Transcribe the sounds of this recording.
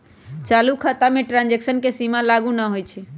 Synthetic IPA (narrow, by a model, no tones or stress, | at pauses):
t͡ʃalukʰət̪ameʈɾãnd͡ʒeksənkesimalaɡunəɦojt͡ʃʰɛ